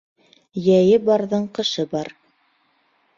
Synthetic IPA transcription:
jæjɘbɑɾðɤɴqɤ̆ʃɤbɑɾ

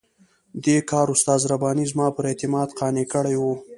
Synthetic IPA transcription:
d̪ekɑːɾʊst̪ɑːzɾabɑnizmɑpəɾet̪ɪmɑd̪qɑːnekəɽajwu

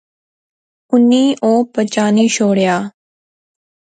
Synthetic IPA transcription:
ʊnːiːʔoːpət͡ʃaːniːʃoːɽjaː

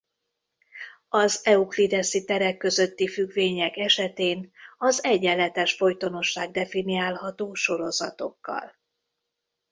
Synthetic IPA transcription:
ɒzɛuklid̪ɛsit̪ɛɾɛkːø̞zø̞t̪ːifyɡveːɲɛkɛʃɛt̪eːnɒzɛɟːɛlːɛt̪ɛʃfo̞jt̪o̞no̞ʃːaːɡ̚d̪ɛfiniaːlɦɒt̪oːʃo̞ɾo̞zɒt̪o̞̰kːɒ̰l

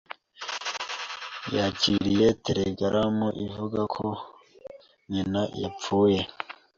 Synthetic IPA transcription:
jaciɾijeteɾeɡaɾʔamoʔivuɡakʰo̞ | ɲinajap͡fuːje

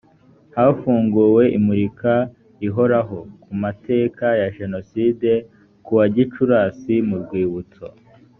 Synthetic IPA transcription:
haːfuːŋɡuːwe̞ʔimuɾika | iɦo̞ɾaɦo̞kumate̞ːkajaʒe̞no̞siːde̞ | kuwaɟit͡ʃuɾaːsimuɾɡwiːβut͡so

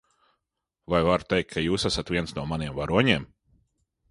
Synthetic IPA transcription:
vajvaɾt̪ejk̚ʰːajuːsæsat̪vʲiɛnsnuɔmaniɛmvaɾuɔɲiɛm

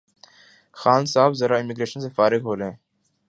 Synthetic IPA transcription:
xaːnsaːbzəɾaːɪmiɡɾeːʃənsefaːɾɪɡɦoːlẽː

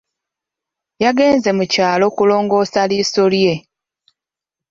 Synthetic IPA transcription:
jaɡe̞ːnze̞mucaːlo̞kulo̞ːŋɡo̞ːsaliːso̞lje̞

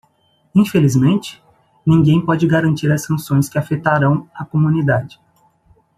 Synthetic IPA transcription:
ĩfelizmẽnt͡ʃɪ̥ | nĩŋɡẽj̃pɔd͡ʒɪɡaɾɐ̃nt͡ʃiɾɐsːɐ̃sõj̃skɪafet̪aɾɐ̃w̃ɐkomũnid̪ad͡ʒɪ̥

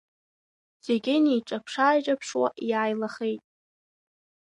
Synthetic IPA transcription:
z̥eɡʲɪnijʈ͡ʂʼapʰʂaːʒapʰʂwa̰ʔjaːjlaχejtʼ

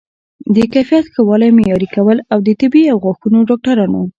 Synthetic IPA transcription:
d̪əkajfijat̪xəwɑlajmejɑɾikawəlawd̪ət̪ɪbiawɣɑxunoɖɑk̚ʈaɾɑno

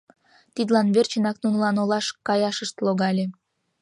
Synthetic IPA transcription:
t̪id̪lɑnβert͡ɕə̆nɑknunəlɑnolɑʃkɑjɑʃəʃt̪loɣɑlʲe

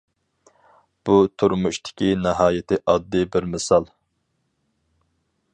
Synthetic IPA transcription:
b̥ut̪ʰuɾmuʃt̪ʰɪ̥kʲʰinɪɦɑːjɪt̪ʰɪʔɑd̪ːɨbɪɾmɪsɑlˠ

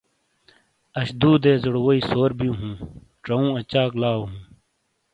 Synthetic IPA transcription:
ɐɕd̪uːd̪eːzuɽwoiːsoːɾbijũːɦũː | ʈɐũːɐt͡ɕaːklaːwɦũː

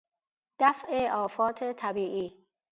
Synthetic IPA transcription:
d̪̥æfʔeʔɒːfɒːt̪ʰet̪ʰæbiːʔiː

